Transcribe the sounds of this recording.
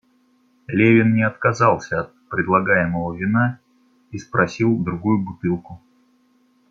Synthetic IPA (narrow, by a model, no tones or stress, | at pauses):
lʲevʲɪnːnʲɪɐt̪kɐzɑlˠsʲəɐt̪̚pɾʲɪd̪lˠɐɡajɪməvəvʲɪna | ispɾɐsʲilˠd̪ɾʊɡujʊbʊt̪ɨlˠkʊ